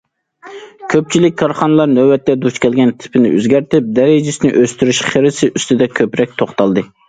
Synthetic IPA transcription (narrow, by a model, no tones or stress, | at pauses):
kʲʰøp̚t͡ʃʰilɪk̚ʲkʰːɑɾχɑnɨlˠɑɾnøwɛt̪ːɛd̪ut͡ʃkʲɛlɡʲɛnt̪ʰɪ̥pʰɪnɪ̰ø̰zɡʲæɾt̪ɪp̚d̪ɛɾɪd͡ʒɪsɪnɪʔøst̪yɾyʃχeɾɪsɪʔyst̪ɪd̪ɛkʲʰøpɾɛk̚ʲt̪ʰoχt̪ɑlˠd̪ɨ